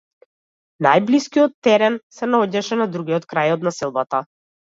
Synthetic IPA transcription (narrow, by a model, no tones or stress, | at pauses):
najbliskijɔt̪ːɛɾɛnsɛnaɔɟaʃɛnad̪ɾuɡʲiɔt̪kɾajɔt̪nasɛlˠbat̪a